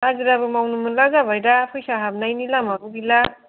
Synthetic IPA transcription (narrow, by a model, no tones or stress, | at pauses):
aɡiɾabɯmawnumɯnlaɡabʱʌjɾapʰɯjsaɦab̚najnilamabubila